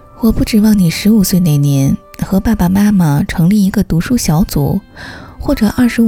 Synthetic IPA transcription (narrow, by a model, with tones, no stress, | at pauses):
wɔ˨˩pu˥˩ʈ͡ʂɻ̩˨˩wɑ˥˩ŋni˨˩ʂɻ̩˧˥u˨˩swe˥˧ɪne˥˩ɪnjɛ˧˥nxɤ˧˥pa˥˩pa˩ma˥mə˨˩ʈ͡ʂʰɤ˧˥ŋli˥˩i˧˥ɡə˥˧t̪u˧˥ʂu˥˩ɕjɑ˧˥ʊt͡sṵ˨˩˦xwɔ˥˩ʈ͡ʂɤ˨˩ʔɐ˥˩ʂɻ̩˧˥˩